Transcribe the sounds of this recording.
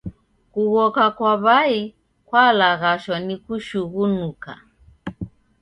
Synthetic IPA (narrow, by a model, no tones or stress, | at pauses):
kuɣɔkakwaβai | kwalaɣaʃwanikuʃuɣunuka̰